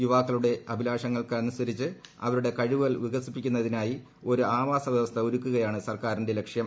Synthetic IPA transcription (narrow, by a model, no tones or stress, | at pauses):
juʋaːkːɐɭuɽe̞ɐbʱilaːʂɐŋːɐɭkɐɐnːusɐɾit͡ɕːɨɐ̰ʋɐɾuɽe̞kɐɻuʋɣɐlʋiɣɐsipːikʲːunːɐðinaːji | o̞ɾuaːʋaːsɐʋjɐʋɐst̪ʰɐoɾukʲːuɣɐjaːɳɨsɐrkaːɾinde̞le̞kʂjɐm